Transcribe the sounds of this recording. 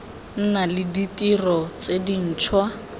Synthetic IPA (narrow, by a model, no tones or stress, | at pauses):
n̩nalɪditʼirɔt͡sedin̩ːt͡ʃʰwa